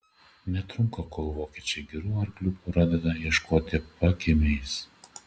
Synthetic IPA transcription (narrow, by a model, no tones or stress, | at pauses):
nʲɛt̪ɾʊŋkɐkoːlˠʋoːkʲɛːt͡ʃʲɛɪɡʲɛɾuːɐɾɡlʲuːpɾɑːd̪ʲɛd̪ɐjiɛʃkoːt̪ʲɪpɐkʲɪmʲɛɪs